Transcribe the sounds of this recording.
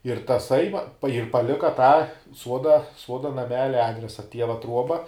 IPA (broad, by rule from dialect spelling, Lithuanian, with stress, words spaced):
ɪr tɐˈsɐɪ ʋɐ ɪr pɐˈlʲɪkɐ tɑː ˈsuɔdɐ ˈsuɔdɐ nɐˈmʲæːlʲɛ ˈɑːdʲrʲɛsɐ ˈtʲiɛʋɐ ˈtruɔbɐ